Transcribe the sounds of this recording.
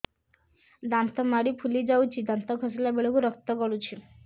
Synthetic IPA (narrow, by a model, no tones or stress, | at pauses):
d̪ant̪ɔmaɽipʰulid͡ʒawt͡ʃʰid̪ant̪ɔkʰɔsilabeɭɔkuɾɔkt̪ɔɡɔɭut͡ʃʰi